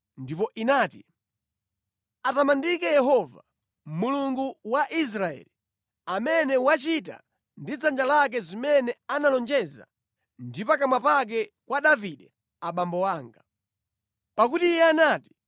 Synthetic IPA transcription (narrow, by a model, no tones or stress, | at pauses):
ndipɔʔinaːti | atamandikɛjɛɦɔva̰ | muluŋɡuwaʔis̬ɾaɛ̰li | amɛnɛwat͡ʃita̰ | ndid͡zand͡ʒalak̬ɛzimɛnɛanalɔnd͡ʒɛza̰ | ndipakamapak̬ɛkwaɗaviɗɛ | aɓambɔwaːŋɡa | pakutijɛanaːti̥